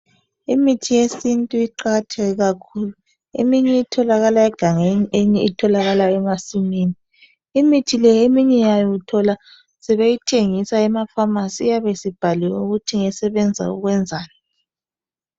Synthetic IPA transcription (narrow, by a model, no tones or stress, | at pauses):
imitʰijesintʼuiǃaɣatʰɛɣɛɣakʰuːlu | ḭmiɲɛitʰɔlaɣalaɛɡ̥ʱaŋeɲiʔeɲiitʰɔlaɣalaɛmasimiːniː | mitʰilɛemiɲɛjajɔutʰɔla | sɛβejitʰeŋisaɛmafamasiːjaβesib̥ʱaliwuɣutʰiŋɛsɛβɛnd͡zʱa̰ṵɣwɛnd͡zʱaːnɛ